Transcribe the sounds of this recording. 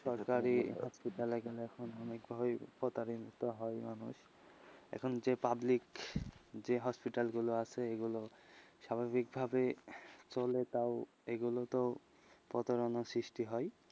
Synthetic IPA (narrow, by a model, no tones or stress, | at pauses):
ʃɔɹkaɹihɔspiʈalɛɡelɛkʰɔnɔnekbʱabpɔt̪aɾint̪ɔɦɔjmanṵʃ | ɛ̰kʰɔnzepablik | zeɦɔspiʈalɡuloaseeɡulosabʱabik̚bʱabet͡solet̪aʊ | eɡulot̪o | pɔ̰t̪ɔɹɔnɔsɹisʈiɦɔj